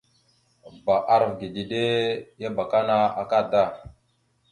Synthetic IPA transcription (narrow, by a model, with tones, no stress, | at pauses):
ba˨ʔa˦ɾvɡi˨di˨ɗe˦ja˦ba˨ka˦na˦a˨ka˦˨da˦˨